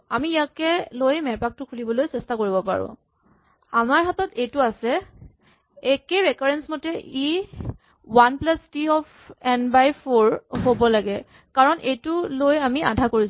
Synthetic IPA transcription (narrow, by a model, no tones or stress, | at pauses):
amiijakɛlojmɛpak̚tʊkʰulibɔlojsɛstakoɹibɔpa̰ɹʊ̰̃ | amaɹɦatɔtʰejtʊasɛ | ekeɹɛkaɹɛnsmotɛʔi | wanplastiɔpʰ | ɛnbajpʰoɹɦobɔlaɡɛ | kaɹɔnʔejtʊlojamia̰dʱakoɹis